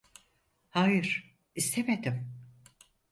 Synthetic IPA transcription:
haːjɯɾ̥ | ist̪ʰemed̪im

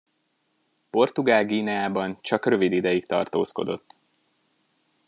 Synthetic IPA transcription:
po̞rt̪uɡaːlɡiːnɛaːbɒnt͡ʃɒkrø̞vid̪id̪ɛjikt̪ɒ̰rt̪o̰ːsko̞̰d̪o̞̰t̪ː

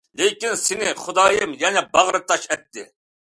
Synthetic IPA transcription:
lekʲinsɪnɪχʊd̪ɑːjɨmjɛnɛbɑʁɾɨt̪ːɑʃɛt̪ʰːɪ

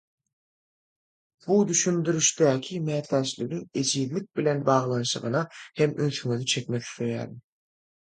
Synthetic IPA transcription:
b̥ud̪yʃynd̪yɾyʃt̪æːkʲʰimæːt̪læːʃlyɡ̪yŋe̞d͡ʒiːd̪lik̚ʲbile̞nbɑːʁlˠɑnʃɯʁɯnɑhemøθyŋyðyt͡ʃʰe̞kʲmeθi̥θøjæ̰ːɾd̪i

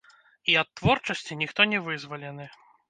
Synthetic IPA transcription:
iɐt̪ːvɔrt͡ʂɐsʲt͡sʲinʲixt̪ɔnʲɛvɨzvɐlʲɛnɨ

